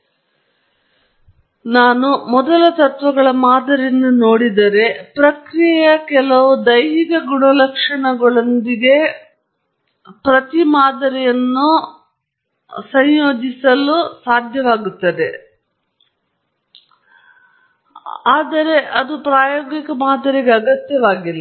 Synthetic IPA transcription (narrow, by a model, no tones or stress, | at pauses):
naːnumɔd̪ɐlɐt̪ɐt̪ʋɐɡɐɭɐmaːd̪ɐɾinːunoːɽid̪ɐɾe̞pɾɐkɾijjɐkɛlɐʋud̪ɐjɦikɐɡuɳɐlɐkʂɐɳɐɡɐɭond̪iɡe̞ | pɾɐt̪imaːd̪ɐɾɛjɐnːu | sɐɲjoːd͡ʒisɐlusaːd̪ʱjɐʋaːɡut̪ːɐd̪e̞ | aːd̪ɐɾe̞ʔɐd̪upɾaːjoːɡikɐmaːd̪ɐɾiɡeɐɡɐt̪jɐʋaːɡilːɐ